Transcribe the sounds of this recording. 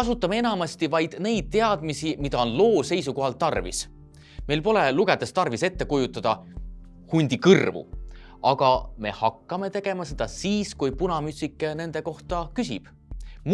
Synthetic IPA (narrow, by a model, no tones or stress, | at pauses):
ɑsut̪ːˑɑmee̞nɑmɑst̪ivɑjd̪̥ne̞jd̪̥̚t̪e̞ɑd̪̥misimid̪ɑo̞nlo̞ːse̞jsuko̞ɦɑlt̪ːɑrvḭs | me̞jlpo̞leluɡe̞d̪e̞st̪ɑrvise̞t̪ːe̞kujut̪ːˑɑd̪̥ɑ | hunʲd̪̥ikɯrvṵ | ɑɡ̥ɑme̞̰hɑkːɑme̞t̪e̞ɡ̥e̞mɑse̞d̪̥ɑsiːskujpunɑmyt̪ʲsikːˑene̞nd̪e̞ko̞ht̪ɑkysib̥ | m